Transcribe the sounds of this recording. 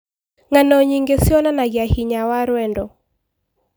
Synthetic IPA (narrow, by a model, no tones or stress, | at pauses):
ŋanɔɲiŋɡesiɔnanaɡjahiɲawaɾwɛndɔ